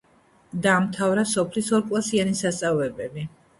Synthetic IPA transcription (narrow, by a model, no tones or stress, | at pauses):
d̪aːmt̪ʰavɾasɔpʰlisɔɾkʼlˠasianisast̪sʼavlɛbɛbi